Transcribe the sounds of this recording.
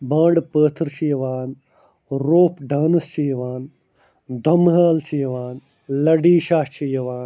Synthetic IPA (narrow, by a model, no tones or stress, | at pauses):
bãːɳɖpəːt̪ʰɾt͡ʃijɐʋaːn | ɾoːpɖaːnɐst͡ʃijɐʋaːn | d̪ʱɐmɦaːlt͡ʃijɐʋaːn | lɐɖiːʃaːt͡ʃijɐʋaːn